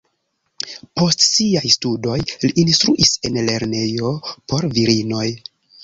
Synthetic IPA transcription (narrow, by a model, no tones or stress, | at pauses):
po̞stsiajstudo̞jliʔːnstɾuʔise̞nle̞ɾne̞jo̞po̞ɾviɾino̞j